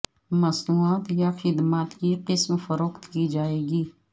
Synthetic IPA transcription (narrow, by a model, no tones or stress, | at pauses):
məsnuːaːt̪jaːxɪd̪maːt̪kiːqɪsmfəɾoːkt̪kiːd͡ʒaːeːɡiː